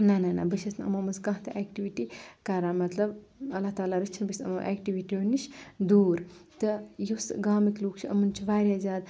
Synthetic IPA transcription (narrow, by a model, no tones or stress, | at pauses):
nɐnana̰bɨʃʰɐsnɐ̰mɐmɐskɐ̃ɦt̪ʰɐʔeːkʈiʋiʈikaːɾaːmɐt̪lɐb | ɐlːat̪aːlaɾɨt͡ʃʰinbɨsʲɐ̰mɐʔḛːkʈiʋiʈioniʃd̪uːɾt̪ɨjusɡaːmikluːkt͡ʃʰiɐmɨnt͡ʃʰiʋaːɾjazʲaːd̪